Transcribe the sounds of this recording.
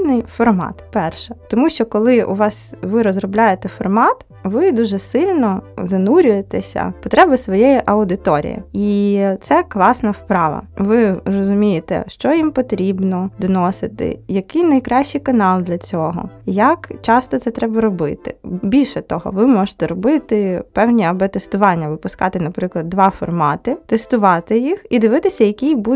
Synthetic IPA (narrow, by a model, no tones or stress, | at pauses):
nɪjfɔrmɑ̰t̪pɛrʃɛt̪ɔmuʃt͡ʃɔkɔlˠɪṵʋɑsʋɪɾɔzrɔblʲajet̪ɛfɔrmɑt̪ | ʋɪd̪uʒɛsɪlʲnɔzɐnuɾʲʊjet̪ɛsʲɐ̰pɔt̪ɾɛbɪsʋɔjɛjiʔɐʊd̪ɪt̪ɔɾʲḭjḭit̪sɛklˠɑsnɐwpɾɑʋɐ̰ʋɪrɔzʊmʲijɪt̪ɛ̰ʃt͡ʃɔjimpɔt̪ɾʲibnɔd̪ɔnɔsɪt̪ɪ̰jɐkɪjnɐjkɾɑʃt͡ʃːijkɐnɑlˠd̪lʲɐt͡sʲɔɦɔ̰jɐkt͡ʃɑst̪ɔt̪sɛt̪ɾɛbɐɾɔbɪ̰t̪ɪ̰bʲilʲʃɛt̪ɔɦɔ̰ʋɪmɔʒɪt̪ɛɾɔbɪt̪ɪpɛwnʲiɐbɛt̪ɛst̪ʊʋɑnʲːɐʋɪpʊskɑt̪ɪnɐpɾɪklˠɐd̪̚d̪ːʋɑfɔ̰rmɑt̪ɪt̪ɛst̪ʊʋɑt̪ɪjixid̪ɪʋɪt̪ɪsʲɐjɐkʲijbu